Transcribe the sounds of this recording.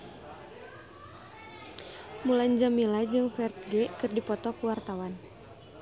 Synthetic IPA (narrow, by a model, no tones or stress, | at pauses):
muland͡ʒamilad͡ʒɨŋfɛrt̪̚ɡɛkɨrdipɔt̪ɔkuwart̪awan